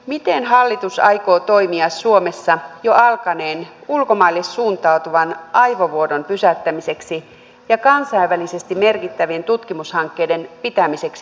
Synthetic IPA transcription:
mit̪enɦɑlːit̪usɑ̰jko̞ːt̪o̞jmiɑsːuo̞me̞sːɑjo̞ɑlkɑne̞ːnulko̞mɑilːesːuːnt̪ɑut̪uʋɑnʔɑjʋo̞ʋuodo̞npysæt̪ːæmise̞ksi | jɑkɑnsɑjʋːælise̞st̪imme̞rkit̪ːæʋie̞nt̪ut̪kimushɑŋkːe̞jde̞npit̪æmise̞ksi

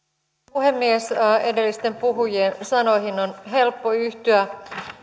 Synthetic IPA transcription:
puhe̞mːiesedelːist̪e̞mpuɦujensɑno̞hinonɦe̞lpːoyht̪yæ

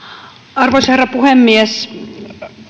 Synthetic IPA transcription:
ɑrʋoisherːɑpuhemːies

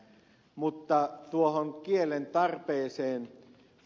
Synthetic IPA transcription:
mut̪ːɑt̪uohoŋkielent̪ɑrpeːseːn

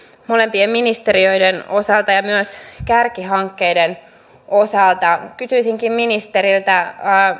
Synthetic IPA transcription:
mo̞le̞mpiemminist̪e̞rio̞jdeno̞sɑlt̪ɑjɑmyæskærkiɦɑŋkːejden | ʔosɑlt̪ɑkysyisiŋkimminist̪eɾilt̪æ

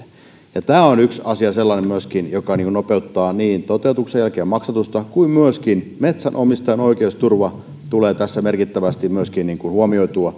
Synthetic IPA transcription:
jɑt̪æːonyksɑsiɑselːɑnemmyøskinjokɑniŋkunopeut̪ːɑːniːnt̪ot̪eut̪uksejælkeːmɑksɑt̪ust̪ɑkuimmyøskinmet̪sænʔomist̪ɑjenoikeust̪urʋɑ | t̪uleːt̪æsːæmerkit̪ːæʋæst̪immyøskinniːŋkuhuomioit̪uɑ

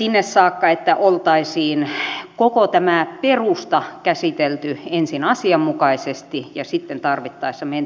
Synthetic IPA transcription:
sinːessɑːkːɑet̪ːæʔolt̪ɑisiːnkokot̪æmæperust̪ɑkæsit̪elt̪yensinɑsiɑmmukɑisest̪ijɑsit̪ːent̪ɑrʋit̪ːɑisːɑmen

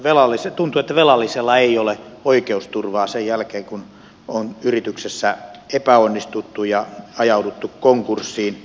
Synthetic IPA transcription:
ʋelɑlːiset̪unt̪uet̪ːæʋelɑlːiselːɑeijoleoikeust̪urʋɑːsejjælkeːŋkun | onyrit̪yksesːæepæonːist̪ut̪ːujɑɑjɑudut̪ːukkoŋkursːiːn

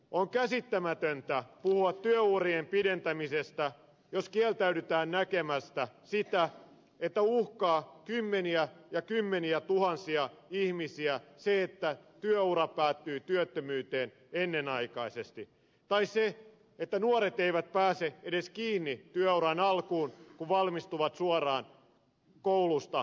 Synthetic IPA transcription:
oŋkæsit̪ːæmæt̪ønt̪æpuhuɑt̪tyøuːriempident̪æmisest̪æ | joskielt̪æydyt̪æːnnækemæst̪æsit̪æ | et̪ːæuhkɑːkymːeniæjɑkymːeniæt̪uhɑnsiɑihmisiæseet̪ːæt̪yøurɑpæːt̪ːyːt̪yøt̪ːømyːt̪eːn | enːenɑikɑisest̪i | t̪ɑisse | et̪ːænuoɾet̪eiʋæt̪̚pæːseedeskiːnːit̪yøuɾɑnɑlkuːnkuʋʋɑlmist̪uʋɑt̪suorɑːn | koulust̪ɑ

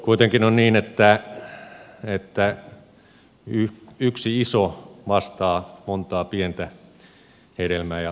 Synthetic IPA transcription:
kuit̪eŋkinonniːnet̪ːæ | et̪ːæ | yyksiisoʋɑst̪ɑːmont̪ɑːpient̪æ | heɾelmæːjɑ

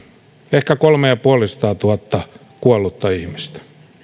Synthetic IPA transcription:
ehkækolmejɑpuɑlisɑ̥t̪ɑːt̪uɑt̪ːɑ | kuɑlːˑut̪ːɑihmist̪æ̥

